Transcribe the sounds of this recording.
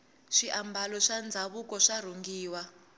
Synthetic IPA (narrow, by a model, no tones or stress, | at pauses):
ʂiʔambalɔʂand͡zʱaβukɔʂar̤uŋɡiːwa